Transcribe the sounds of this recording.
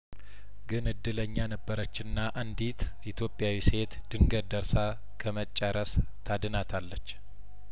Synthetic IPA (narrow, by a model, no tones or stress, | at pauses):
ɡɨnɨd̪ːɨləɲːanəbːəɾət͡ʃːɪnːaʔand̪it̪ʰʔit̪ʰjo̞pʼːjawise̞t̪d̪̥ɨŋɡəd̪d̪əɾsa | kʰəmət͡ʃʼːəɾəs | t̪ʰad̪ɨnat̪ʰalːət͡ʃː